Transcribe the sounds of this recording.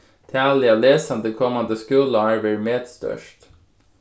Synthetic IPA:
t̪ʰæːlɪɑleːsɑnd̪əkʰɔmɑnd̪əskʉːləæːɹʋæɾmeːd̪st̪œ̰ʃt

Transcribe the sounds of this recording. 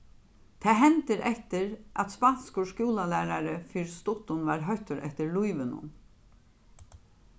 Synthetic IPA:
t̪ʰɛːɦɛnt̪ɪɾʔɛht̪ɪɾʔa̰t̪spanskʊʂkuːlalæːɾaɾɪfiɾst̪ʊht̪ʊnʋaɾɦœht̪ʊɾʔɛ̰ht̪ɪɾlujʋɪnʊ̰n

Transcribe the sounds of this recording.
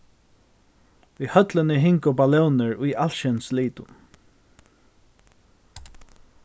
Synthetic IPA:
ihœt̪lənɪɦɪŋkʊpalɛwnɪɹʊjalʃɛnsliːt̪ʊ̰

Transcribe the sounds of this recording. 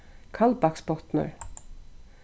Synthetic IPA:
kʰalbakspɔt̪nə̰ɹ

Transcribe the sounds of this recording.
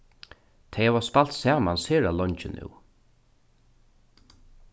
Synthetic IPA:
t̪ʰɛjhavaspal̥t̪sɛːmansheːɹalɔɲt͡ʃɪnʉ̰w

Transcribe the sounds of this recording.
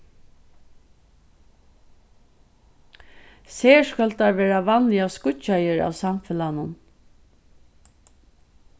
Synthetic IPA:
seːskalt̪aɾʋɛːɹaʋanlɪaskʊt͡ʃajəɹa̰ːwsamfɪlanʊn

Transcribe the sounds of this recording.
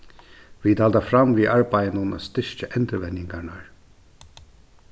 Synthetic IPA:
ʋiːd̪ɑːld̪ɑfɾɑmʋiːʔɑɹbæɪənunə̰st̪ɪʃkəʔɛnd̪ɾəʋɛnɪŋɡaɳəɹ

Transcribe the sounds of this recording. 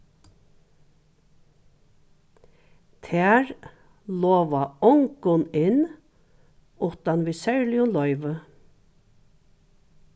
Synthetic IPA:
t̪ʰæːɹ | loːʋaɔŋkʊnɪn | ʊt̪anʋiːsɛɹlɪʊnlɔʏʋə

